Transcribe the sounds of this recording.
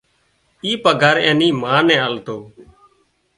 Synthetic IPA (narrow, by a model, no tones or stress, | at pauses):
iːpəɡʱaːɾẽːniːmãːnɛ̃ːəlt̪oː